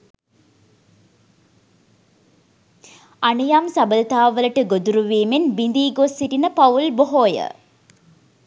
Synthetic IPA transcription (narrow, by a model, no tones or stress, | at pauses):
anijamsabəlt̪aːʋələʈəɡod̪uɾuʋiːmenbind̪iːɡosːiʈinəpaulboɦoːjə̰